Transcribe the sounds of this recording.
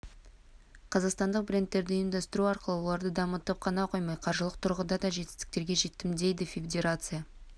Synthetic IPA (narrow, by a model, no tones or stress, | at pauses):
qʰɑzɑqst̪ɑnd̪əq̚bɾʲe̞nt̪ːe̞ɾd̪ɪːjəmd̪ɑst̪əɾuɑɾqəlˠəwo̞lˠɑɾd̪əd̪ɑmət̪əp̚qʰɑnɑqʰo̞jmɑjqʰɑɾʒəlˠəq̚t̪ʰʊɾʁəd̪ɑd̪ɑʒe̞t̪ɪ̥st̪ɪ̥k̚t̪e̞ɾɡʲe̞ʒe̞t̪ːɪmd̪e̞jd̪ɪfʲed̪e̞ɾat̪sɨja